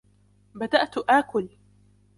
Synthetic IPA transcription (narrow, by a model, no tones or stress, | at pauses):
bad̪aʔt̪ʔaːkʊl